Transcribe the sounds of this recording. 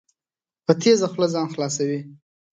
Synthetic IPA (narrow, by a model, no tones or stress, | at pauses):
pət̪ʰezaxləzɑnxlɑs̬awi